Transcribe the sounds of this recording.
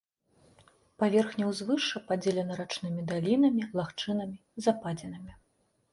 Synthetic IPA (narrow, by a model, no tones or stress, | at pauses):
pavʲɛrxnʲɐwzvɨʂɐpad͡zʲelʲɛnɐɾat͡ʂnɨmʲid̪alʲinɐmʲilˠaxt͡ʂɨnɐmʲizɐpad͡zʲɛnɨmʲi